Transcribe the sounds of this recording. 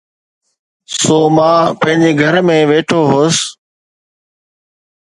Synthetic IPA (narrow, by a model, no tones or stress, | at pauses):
soːmãːpə̃ɐ̃ɦɪ̃ɲd͡ʑeːɡʱəɾmẽːʋeːʈʰoːɦoːs